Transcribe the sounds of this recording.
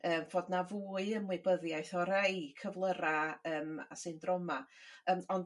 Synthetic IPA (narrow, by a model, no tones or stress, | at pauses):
əːmvoːdnavuːɨəmwɪbəðjajθɔɾejkʰəvlˠəɾaəːma̰sɨndrɔmaəːnɔnd